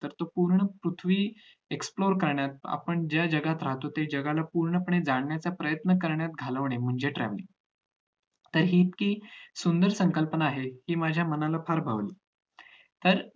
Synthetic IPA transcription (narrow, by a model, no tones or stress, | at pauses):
t̪əɾt̪opuɾɳəpɾut̪ʰʋiː | eksploɾkəɾɳjat̪̚a̰pəɳd͡ʑjad͡ʑəɡat̪ɾaɦt̪ot̪ed͡ʑəɡalapuɾɳəpəɳed͡zaɳːjat͡sapɾəjət̪nəkəɾɳjat̪̚ɡʱaləʋɳem̤əɳd͡zeʈɾɛ̰ʋlḭː | t̪əɾɦiːt̪kiːsund̪əɾsəŋkəlpənaːɦehiːmad͡ʑʱjamənalafʰaɾbʱaʋliː | t̪əɾ